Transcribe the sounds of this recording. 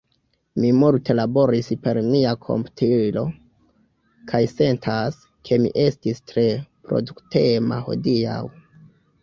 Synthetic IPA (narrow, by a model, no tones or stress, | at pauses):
mimulte̞labo̞ɾispe̞ɾmiakʰo̞̰mptʰilo̞ | kʰajse̞ntʰas | kʰe̞mḭʔe̞stistɾe̞pɾo̞̰duktema̰ho̞̰dia̰w